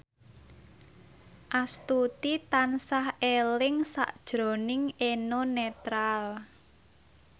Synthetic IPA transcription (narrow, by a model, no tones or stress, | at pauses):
ʔast̪ut̪it̪ansahelɪŋsa̰ʔd̥ʒ̥ɾo̤nɪŋʔenonet̪ɾal